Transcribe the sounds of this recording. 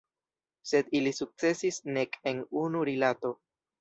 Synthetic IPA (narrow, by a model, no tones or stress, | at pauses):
se̞dilisuk̚t͡se̞sisne̞ke̞nunuɾilato̞